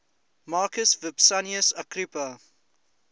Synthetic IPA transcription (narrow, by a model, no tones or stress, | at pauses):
maːkəsvɪbsaniəsakɾipə